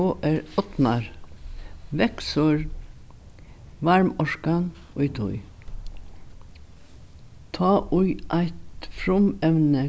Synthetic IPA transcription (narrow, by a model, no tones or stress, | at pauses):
oːʔæːɾɔt̪mɑɾ | ʋɛksɔɹ | ʋɑɹmɔʃkɑn | ʊʏt̪ʰʊ̰ʏ | t̪ʰɑːʔʊʏʔæɪt̪fɾʊmɛʋnə